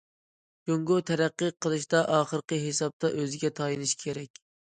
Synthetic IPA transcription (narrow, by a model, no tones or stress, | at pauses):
d͡ʒoŋɡot̪ʰɛɾæqːəqʰəlˠɨʃt̪ɑʔɑːχəɾqəɦesɑb̚t̪ʰɑʔøzɪɡʲɛt̪ʰɑjinɨʃkʲʰeɾɛkʲ